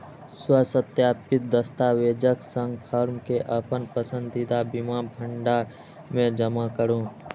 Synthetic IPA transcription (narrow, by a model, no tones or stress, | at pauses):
swəsət̪jaːpɪt̪̚d̪əst̪aʋeːd͡ʒəksə̃ŋɡpʰəɾmkeʔəpənpəsə̃nd̪ɪd̪abimabʱə̃ɳɖaːɾ | mẽd͡ʒəmakəɾõː